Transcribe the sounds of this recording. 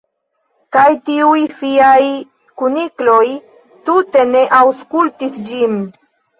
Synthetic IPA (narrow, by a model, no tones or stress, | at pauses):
kajtiujfiaj | kuniklo̞j | tute̞ne̞ʔawskultisd͡ʒin